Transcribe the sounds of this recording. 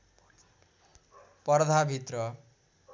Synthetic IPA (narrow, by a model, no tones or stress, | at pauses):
pʌrd̪ʱabʱit̪rʌ